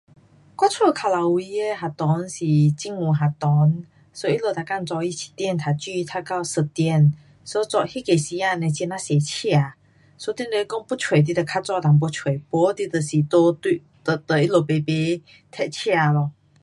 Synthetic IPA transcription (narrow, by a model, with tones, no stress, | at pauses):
kwa˥t͡sʰwo˥˧˨kʰa˨˩la˨wi˧e˧ɦa˨˩t̪ɔ˨˦nsi˨˩t͡ɕi˧˥ŋu˨ɦa˨t̪ɔ˨˦n | so˧˦i˦˥lo˧˨˩t̪a˨˩ka˥˨nt͡sɔ˧i˧t͡ɕʰi̥˨˩t̪jɛ˥˨nt̪ʰa˨˩t͡ɕi˥˧˨t̪ʰa˧ka˥˧˨wsə˧t̪jɛ˥˧˨n | so˧˦t͡sɔ˧˨hi˦˥ke˨˩si˧˦a˥˧nẽ˧t͡ɕɛ˧na˧˦se˨˩t͡ɕʰja˧˨ | swɔ˧˦t̪i˥˨nde˧˨˦kɔ˥˧ŋpu˥t͡sʰwe˨˩t̪̬i˧˥˩d̪ə˨˩kʰa˥t͡swa˥˧t̪a˨˩ŋp̬wɔ˧˦t͡sʰwe˨˩˨pɔ˧˦t̪i˧t̪ə˨si˨˩t̪o˧t̪i˧ | t̪ə˨t̪ə˨˩i˦˥lo˨˩pe˧˩pe˧˦ | t̪ʰɛ˧t̚t͡ɕʰja˥˧lɔ˧˨